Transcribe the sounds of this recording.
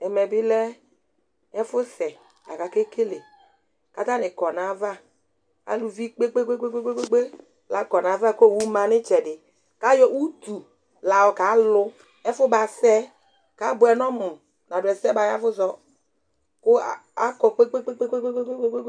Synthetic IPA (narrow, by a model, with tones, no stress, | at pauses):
ɛ˨mɛ˨bɪ˦lɛ˦ | ɛ˦fʊ˦sɛ˨ | la̰˨ka˨ke˦kʰe˦le˨ | ka˨˦ta˦nɪ˨kɔ˨na˨va˦ | a̰˨˦lu˨vi˦k͡pe˦k͡pe˦k͡pe˦k͡pe˦k͡pe˦k͡pe˦k͡pe˦k͡pe˦ | la˨kɔ˨na˨˦va˦˨ko˦˨wu˦ma˨nɪ˦t͡ʃɛ˨dɪ˨ | ka˨˦jɔ˦u˦tu˨ | la˨ɔ˨ka˨˦lʊ˦ | ɛ˦fʊ˦ba˨sɛ˦ | ka˨˦bʊ˨˦ɛ˨nɔ˦mʊ˨ | na˨dʊ˨ɛ˨sɛ˦ba˨ja˦vʊ˦zɔ˨ | kʊ˦˨a˦kɔ˨k͡pe˦k͡pe˦k͡pe˦k͡pe˦k͡pe˦k͡pe˦k͡pe˦k͡pe˦k͡pe˦k͡pe˦